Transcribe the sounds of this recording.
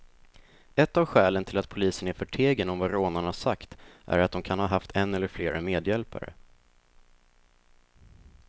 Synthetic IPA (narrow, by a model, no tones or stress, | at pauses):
ɛt̪ːavɧɛːlənt̪ʰɪlat̪̚pʰʊliːsənæɾfœʈʰeːɡənɔmvaɾoːnaɳaʂakt̪ʔæ̰ɾat̪̚d̪ɔmkʰanhɑːɦaft̪ʰɛnːɛlːəɾfleːɾameːd̪jɛlpa̰ɾə̰